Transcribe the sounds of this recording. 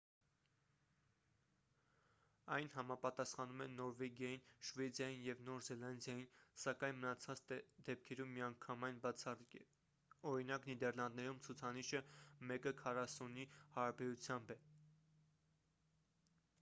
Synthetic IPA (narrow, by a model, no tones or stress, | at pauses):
ɑjnɦɑmɑpɑt̪ɑsχɑnumɛnːɔɾvɛɡjɑjinʃvɛd͡zjɑjinjɛvnɔɾzɛlɑnd̪jɑjinsɑkɑjnmənɑt͡sʰɑt͡sd̪ɛp̚kʰɛɾumːiɑŋkʰɑmɑjnbʰɑr | ɔɾinɑknid̪ɛɾlɑnd̪̚nɛɾumt͡sʰut͡sʰɑniʃəmɛkəkʰɑrɑsunihɑɾɑbɛɾut͡sʰjɑmbɛ